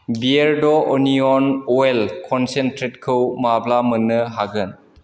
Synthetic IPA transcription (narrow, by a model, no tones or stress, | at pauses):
bieɾdɔʔɔniɔnɔelkʰɔnsentɾetkʰɯwmablamənːɯɦaɡɯn